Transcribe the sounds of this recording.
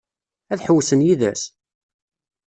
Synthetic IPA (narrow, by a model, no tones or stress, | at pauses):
æθħəwːsənjiðæ̰s